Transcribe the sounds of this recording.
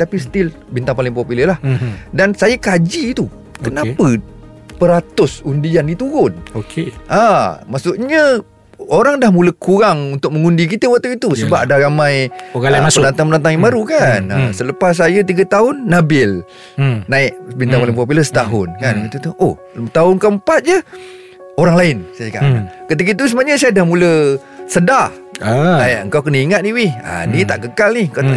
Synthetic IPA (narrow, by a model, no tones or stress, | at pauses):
t̪apisə̥t̪ɪl | bint̪aŋpalɪŋpopuləlahdansajakad͡ʒiːt̪u | kənapə | pəɾat̪ʊsundianːit̪uɣʊnokeʔamaʔsʊʔɲə | oɾaŋdahmuləkuɾaŋunt̪ʊk̚məŋundikit̪əwak̚t̪uit̪usəbapadaɾamãjaaənant̪aŋmənant̪̬aŋjaŋbaɾukanə̰sələpas̬ːajət̪iɡət̪aʊnːabɪl | naɪk̚bint̪aŋolaŋpop̬uləsə̥t̪aɦʊnkankət̪ut̪uʔoh | t̪aʊnkəəmpat̪̚d͡ʒə | oɾaŋlaɪnsajəkaʔnakət̪ik̬əit̪us̬əmaɲəsajadahmulə | səda | ajʔəŋkawkənəiŋat̪̚niwɪha̰nit̪aʔkəkalniŋkaw̪a